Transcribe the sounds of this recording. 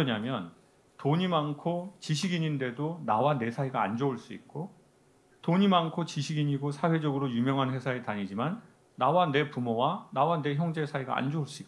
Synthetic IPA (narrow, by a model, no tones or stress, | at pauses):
ʌɲamjʌn | toɲimankʰot͡ɕiɕʰiɡiɲinde̞donawane̞sʰaiɡaːnd͡ʑouɭs͈uik̚k͈o | toɲimankʰot͡ɕiɕʰiɡiɲiɡosʰawe̞d͡ʑʌɡɯɾojumjʌŋɦanhe̞sʰaetaɲid͡ʑimanː | awane̞pumowanawane̞çjʌŋd͡ʑe̞sʰaiɡa̰a̰nd͡ʑouɭs͈uik͈